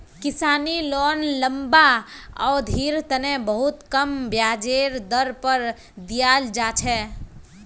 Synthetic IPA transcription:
kisaːnilɔnləmbaɔːd̪ʱiɾt̪ənebəɦut̪kəmbjad͡ʒeɾd̪əɾpəɾ | d̪ijald͡ʒat͡ʃʰɛ

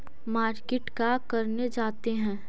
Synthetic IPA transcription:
maːɾkeʈkakɐɾned͡ʒaːt̪eɦɛ̃ː

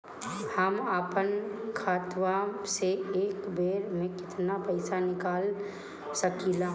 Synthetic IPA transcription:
həmaːpənkʰaːt̪waseeːkbeːɾmẽkɪt̪napəɪsanɪkaːl | səkilaː

